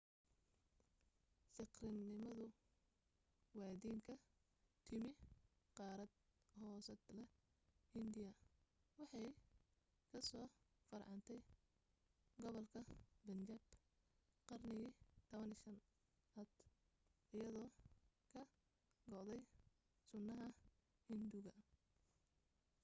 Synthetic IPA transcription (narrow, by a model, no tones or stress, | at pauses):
sɪqrɪnːɪmɐðʊ | wɑːd̪iːŋkʰɐ | t̪ʰɪmɪ | qɑːɾɐd̪̚ | hɔːsɐd̪lɛ | hɪnd̪ɪjɐ | wɑħɑj | kʰɐsɔː | fɐrʕɑnt̪ʰɛj | ɡɔβɔlkʰɐbɐnd͡ʒɐb | qɑrnɪɣit̪ʰɐβɐnɪʃɐn | ʔɐd̪ | ʔɪjɐðɔːkʰɐ | ɡɔʕd̪ɛj | sʊnːɐɦɐ | hɪnd̪ʊɣɐ